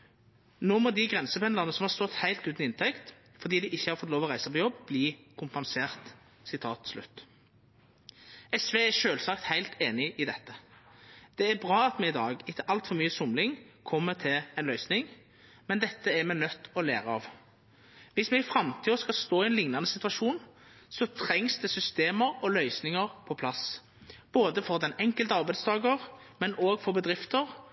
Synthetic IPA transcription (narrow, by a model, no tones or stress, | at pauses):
noːmɔd̪ɪɡʁɛnsəpɛnd̪ɑʁnəsɔmhɑɾst̪ɔt̪hæɪlt̪ʉːt̪nɪɪnt̪ʰɛkt̪ | fɔʁd̪iːd̪ɪʔɪçːəhɑɾfɔt̪loːʋɔʁæɪsəpɔjɔbːbliːkʰʊmpɑnseːʁt̪ | sɪt̪ʰɑːt̪slʉ̰t̪ː | ɛsʋeːæʂøːlsɑkt̪hæɪlt̪ʰeːnɪʔɪd̪ɛt̪ːə | d̪̥ɛæɾbʁɑːɑt̪mɛɪd̪ɑːɡɪk̪ːəʔɑlt̪fɔɾmyːəsʊmlɪŋkʰɔmːət̪ʰɪlɛnlœʏsnɪŋ | mɛnd̪ɛt̪ːəæɾmɛnœt̪ːɔlæ̰ːʁəɑ̰ʋ | ʋɪsmɛɪfʁɑmt̪ʰiːɔskɑst̪oːɪɛnlɪŋnɑnəsɪt̪ʋɑʃuːnsɔt̪ʰʁɛŋsd̪ɛsʏst̪eːməʁɔlœʏsnɪŋəʁpʰɔpʰlɑs | b̥oːd̪əfɔʁd̪ɛnɛŋkəlt̪əɑʁbæɪd̪sd̪ɑːɡəʁmɛnʔoːɡfɔɾbəd̪ʁɪft̪əʁ